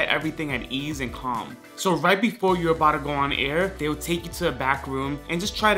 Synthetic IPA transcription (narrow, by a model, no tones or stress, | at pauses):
ɛɾʔɛ̰vɹiθɪ̃ŋɨɾizɨ̃nkʰɑ̰̃m | soʊɹaɪt̚b̥ɨfɔɹjə˞əbaʊɾɨɡoʊə̃nʔɛɹðeɪlˠtʰeɪkjɨɾʰɨːbækɹũmʔɨ̃nd͡ʒʌstʰɹ̥aɪɾ